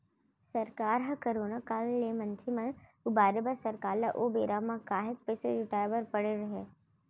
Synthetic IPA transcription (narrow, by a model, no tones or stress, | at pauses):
sɐɾkaːɾɦɐkɐɾoːnakaːlːemɐ̃nt̪ʰimẽʊbaːɾɪbasɐɾkaːlɐʔobeːɾamãkaːɦɪt̪peːseɾɪʈaːjʋəɾpɐɽeɾɐɦe